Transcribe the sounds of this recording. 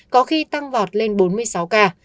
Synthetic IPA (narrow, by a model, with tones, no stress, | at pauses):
kɔ˨˦xi˧t̪a˧ŋvɔ˨˩t̚le˧nɓo˨˦nmɨ˧əjsa˨˦wkaː˧